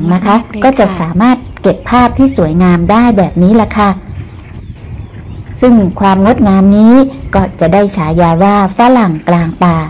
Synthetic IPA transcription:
ŋna˦˥kʰa˦˥kɔː˥˩t͡ɕa˨˩saː˩˦maː˥˩t̪̚ke˨˩pʰːaː˥˩p̚t̪ʰiː˥˩su˩˦əjŋaː˧mdaː˥˩jbɛː˨˩p̚niː˦˥la˧˥kʰa˥˩ | sɯ˥˩ŋkʰwaː˧mŋo˦˥t̪̚ŋaː˧mniː˦˥kɔː˥˩t͡ɕa˨˩daː˥˩jt͡ɕʰaː˩˦jaː˧waː˥˩fa˦˥la˨˩ŋklaː˧ŋp̪aː˧

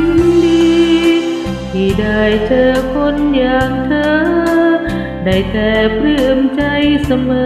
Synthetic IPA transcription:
diː˧ | t̪ʰiː˧˩daː˧˩jt͡ɕɤː˧kʰo˧˥njaː˧˩ŋt̪ʰəː˧ | daː˧˩jt̪ɛː˨˩pʰɯ˧˩mt͡ɕa˧jsa˧mɤː˧

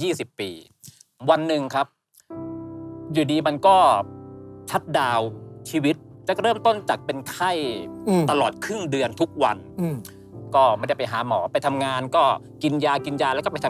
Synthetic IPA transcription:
jiː˥˩si˨˩pːḭː˧ | wa˧nːɯ˨˩ŋkʰa˦˥p̚ | juː˨˩diː˧ma˧nkɔː˥˩ | t͡ɕʰa˦˥t̪̚daː˧wt͡ɕʰiː˧wi˦˥t̪̚t͡ɕa˨˩ɾɤː˥˩mt̪o˥˩nt͡ɕa˨˩k̚pe˧nkʰa˥˩jt̪a˧lɔː˨˩t̪̚kʰɾɯ˥˩ŋdɯ˧ənt̪ʰu˦˥k̚wa˧n | kɔː˥˩ma˧˩˨da˥˩pa˧˩jɦaː˩˦mɔ̰ː˩˦pa˧jt̪ʰa˧mŋaː˧nkɔː˥˩ | ki˧njaː˧wki˧njaː˧lɛ˦˥kɔ˥˩pjt̪ʰ

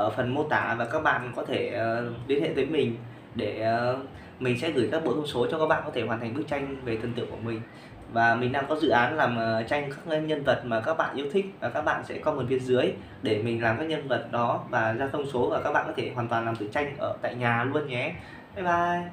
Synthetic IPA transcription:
ʔəː˧˩fə˨˩nmo˧t̪aː˧˩vaː˨˩kaː˦˥k̚ɓa̰ː˧˨nkɔ˨˦t̪ʰeː˧˩˨ɗi˨˦nhḛ˧˨t̪ə˨˦jmï˨˩ŋ̟ | ɗeː˧˩˨ | mï˨˩ŋ̟sɛ̰˧˥ɣɨː˧˩jkaː˦˥k̚ɓo̰˧˥t̪ʰə˧wŋ͡mso˨˦t͡ɕɔ˧kaː˦˥ɓa̰ː˧˨nkɔ˨˦e˧˩ɦaː˨˩t̪ʰa˨˩ŋɓɨ˦˥k̚t͡ɕa˧jŋ̟ve˨˩t̪ʰə˨˩nt̪ɨ̰˧˨əŋku˧˩əmï˨˩ŋ̟ | vaː˨˩mï˨˩ɗaː˧ŋkɔ˨˦zɨ̰˧˨ʔaː˨˦nlaː˨˩mə˨˩t͡ɕa˧jŋkaː˦˥k̚ɲə˧nvə˨˩t̚maː˨˩kaː˦˥k̚ɓa̰ː˧˨ʔɨ˦˥t̪ʰï˦˥k̟̚vaː˨˩kaː˦˥k̚ɓa̰ː˧˨nsɛ̰˧˥kɔ˨˦mɨ˨˩nfi˧ənzɨ˨˦əj | ɗe˧˩mi˨˩ŋ̟laː˨˩mkaː˨˥k̚ɲə˧nvə˨˩t̚ɗɔ˨˦vaː˨˩zaː˧t̪ʰə˧wŋ͡mso˨˦vaː˨˩kaː˦˥k̚ɓaː˧˨kɔ˨˦t̪ʰe˧˩ɦwaː˨˩t̪waː˨˩nlaː˨˩mt̪ɨ̰˧˩t͡ɕa˧jŋ̟ʔəː˧˩t̪a̰ː˧˨jɲaː˨˩lu˧ənɲɛ˨˦ | aː˨˧˦jɓaː˧˩

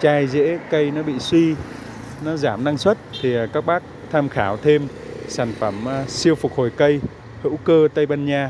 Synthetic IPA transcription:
t͡ɕaː˧jzḛ˧˥kə˧jnɔ˨˦ɓḭ˧˨swi˧ | nɔ˨˦zaː˧˩mna˧ŋswə˦˥t̚t̪ʰi˨˩˨kaː˦˥k̚ɓaː˦˥k̚t̪ʰaː˧mxaː˧˩˦wt̪ʰe˧m | saː˧˩nfə˧˩msi˧əwfʊ˨˩k̚ho˨˩jkə˧j | hɨ̰˧˥wkəː˧t̪ə˧jɓaː˧nɲaː˧

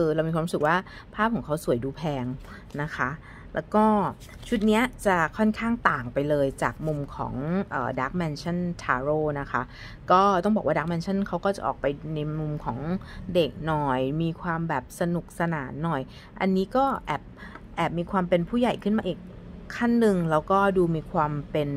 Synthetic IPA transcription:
kɤː˧ɾa˧wi˧kʰwaː˧ɾu˦sɯ˨˩k̚waː˥˩ | pʰaː˥˩p̚ʰɔː˩˦ŋkʰa˦˥wsu˨˩˦jduː˧pʰɛː˧ŋ | na˦˥kʰa˦˥ | lɛ̰ː˦˥wkɔː˥˩ | t͡ɕʰu˦˥t̪̚ni˦˥ɐt͡ɕa˨˩kʰɔ˥˩nkʰaː˥˩ŋt̪aː˨˩ŋpa˧jlɤː˧jt͡ɕaː˨˩k̚mu˧mkʰɔ̰ː˩˦ŋʔɤː˨˩daː˦˥k̚mɛ˧nt͡ɕʰa˥˩nt̪ʰaː˧ɾoː˥˩na˦˥kʰa˦˥ | kɔː˥˩t̪ɔ˥˩ŋbɔː˨˩waː˥˩daː˦˥k̚mɛː˧˥nt͡ɕʰa˥˩nkʰa˦˥wkɔː˥˩t͡ɕa˨˩ʔɔ̰ː˨˩k̚pa˧jna˧jmu˧mkʰɔ̰ː˩˦ŋde˨˩k̚nɔ˨˩jmiː˧kʰwaː˧mbɛː˨˩p̚sa˧nu˨˩k̚sa˧naː˩˦nːɔ˨˩j | ʔa̰˧nːiː˦˥kɔː˥˩ʔɛː˨˩p̚ʔɛː˨˩p̚miː˧kʰwaː˧mpe˧npʰuː˥˩ja˨˩jkʰɯ˥˩nmaː˧ʔiː˨˩kʰː | a˥˩nːɯ˨˧ŋlɛː˦˥wkɔː˥˩duː˧miː˧kʰwaː˧mpe˧n

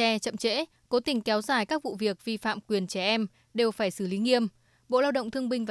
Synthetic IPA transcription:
ɛ˧t͡ɕə̰˧˨mt͡ɕḛ˧˥ | ko˨˦t̪ï˨˩ŋ̟kɛ˨˦wzaː˧˩jkaː˦˥k̚vṵ˧˨vi˨˩ək̚vi˧fa̰ː˧˨mkwi˨˩ənt͡ɕɛ˧˩ʔɛ˧m | ɗe˨˩wfaː˧˩jsɨ˧˩li˨˦ŋi˧əm | ɓo̰˧˨laː˧wɗə̰˧˨wŋ͡mt̪ʰɨ˧əŋɓï˧ŋ̟va˨

